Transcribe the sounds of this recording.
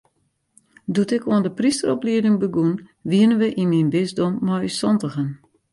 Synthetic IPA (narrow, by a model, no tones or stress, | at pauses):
dutɪkuəndəpristərɔpliədɪŋbəɡunʋiənənʋəʔinminbɪzdomːɔysɔntəɣən